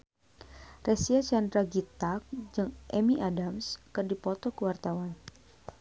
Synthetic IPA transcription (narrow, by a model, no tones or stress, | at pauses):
rɛsiat͡ʃandɾaɡit̪ak̚d͡ʒɨŋʔɛmiʔadamskɨrdipɔt̪ɔkəwart̪awan